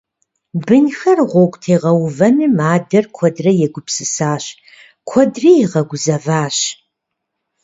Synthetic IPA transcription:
bɨnxɐrʁʷɔkʷʼtʰeːʁɐwvɐnɨmaːdɐrkʷʰɔdrɐjɛɡʷʊpʰsɨsaːɕ | kʷʰɔdriːjɛʁɐɡʷʊzɐvaːɕ

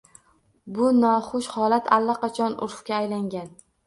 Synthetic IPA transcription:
bʊnɒχʊʃhɒlat̪ʰalːaqɑt͡ʃʰɒnʊ̰ɾfkʲaːjlaŋɡʲan

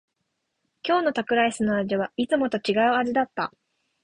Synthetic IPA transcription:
kʲo̞ːno̞t̪akɯ̟ɾaisɨnoaʑiβ̞ait͡sɨmo̞t̪o̞t͡ɕiɡaɯ̟aʑid̪at̪ːa̰

